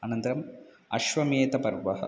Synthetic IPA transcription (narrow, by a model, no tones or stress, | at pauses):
anɐnt̪ɐɾɐm | ɐ̰ʃʋɐmeːt̪ɐpɐɾʋɐɦɐ̰